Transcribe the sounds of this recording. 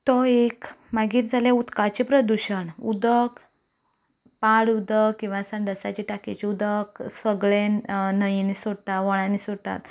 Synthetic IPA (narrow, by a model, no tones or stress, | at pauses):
t̪ɔekmaɡiːɾd͡zʱaljeut̪kat͡ɕepɾəd̪uɕəɳud̪ək | paɽud̪əkkĩw̃ʋasaɳɖ̪əsa̰t͡ɕiʈaket͡ɕiud̪əksfəɡɭennəjinisoɽt̪aʋɔɭ̃anisoɽt̪a̰t̪